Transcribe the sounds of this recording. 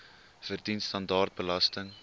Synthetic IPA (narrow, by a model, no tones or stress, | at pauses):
fərdinstɐndɑːrt̚bəlɐstəŋ